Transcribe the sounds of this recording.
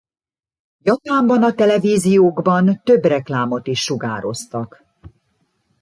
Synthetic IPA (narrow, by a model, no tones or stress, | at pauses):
jɒpaːmbɒnɒt̪ɛlɛviːzijoːɡbɒnt̪ø̞brɛklaːmo̞t̪iʃːuɡa̰ːɾo̞st̪ɒk